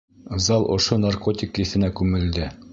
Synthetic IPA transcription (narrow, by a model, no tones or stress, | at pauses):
zɑlˠʔŏ̰ʃonarkot̪ʲɪkɘ̆θɘ̆nækʉŋɘ̆ld̪ɘ